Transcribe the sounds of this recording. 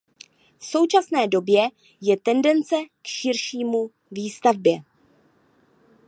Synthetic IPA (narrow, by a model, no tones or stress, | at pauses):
fso̞wt͡ʃasnɛːdo̞bjɛ | jɛt̪ɛndɛnt͡sɛkʃɪɾʃiːmu | viːst̪avbjɛ